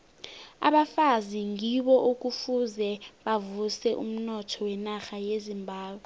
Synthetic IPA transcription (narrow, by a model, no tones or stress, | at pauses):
a̰ɓafaziŋiɓɔʔuk̬ʼufuzɛɓavusɛʔṵm̩nɔtʰɔwɛnaxajezimbʱaːɓwɛ